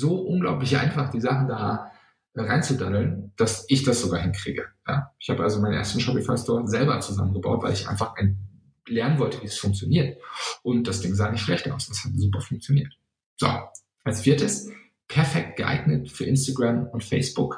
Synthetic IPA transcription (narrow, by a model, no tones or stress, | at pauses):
zoːʔʊnɡlaʊplɪçʔa̰ɪnfaχd̥iːzaχn̩daː | ʔɛːʁa̰ɪnt͡sudanl̩nd̥asɪçd̥asz̥oɡaːɐɦɪnkʁ̥ḭːɡəja̰ːʔɪçhaːbəʔa̰lzomaɪnʔḛːɐstn̩ʃɔpifaɪstʰɔːɐzɛlbɐt͡suza̰mənɡəba̰ʊtv̥aɪlɪçʔa̰ɪnfaχʔan | lɛɐnənvɔltəviːɛsfʊŋk̚t͡sjoniːɐtʔʊnt̚d̥asd̥ɪŋzaːnɪçtʃlɛçta̰ʊsd̥ashatzuːpɐfʊŋk̚t͡sjoniːɐt | z̥o̰ | ʔalsfiːɐtəs | pʰɛɐfɛk̚t̚ɡ̥əʔa̰ɪɡnətfyːɐʔɪnstaɡʁamʊntfɛɪsb̥ʊk